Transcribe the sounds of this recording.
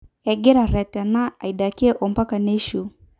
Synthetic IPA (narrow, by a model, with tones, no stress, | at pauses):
ɛ˨ɡɛ˦ɾa˨ɾɛ˨ta˨na˦a̰˨i˨ɗa˨kɛ˦ʔɔ˨mba˦ka˨nɛ˦ʃu˨